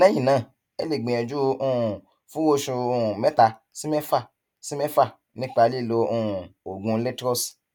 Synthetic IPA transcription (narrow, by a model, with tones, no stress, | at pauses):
nã˦ĩ˦˨nãː˨˦˨ | e˦le˦˨ɡ͡bẽ˨ɛ˨d͡ʒu˦o˧˨ũ˨ | fũ˦wo˧ʃũ˧o˧ũ˨mɛ˦ta˧ | si˦mɛ˦fa˦˨ | si˦mɛ˦fa˦˨ | nĩ˦k͡pa˧li˦˨lo˧o˧˨ũ˨o˨ɡũ˧le˦tɾɔ˦˨s